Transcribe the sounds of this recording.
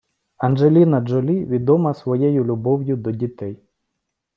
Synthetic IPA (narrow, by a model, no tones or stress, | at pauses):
ɐnʒelʲinɐd͡ʒɔlʲiʋʲid̪ɔmɐsʋɔjɛjʊlʲʊbɔwjʊd̪ɔdʲit̪ɛj